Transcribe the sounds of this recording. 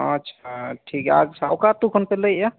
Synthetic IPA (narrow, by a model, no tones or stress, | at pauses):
ə̰tːʰaʈʰika̰ɡsawkat̪ukʰənpeləa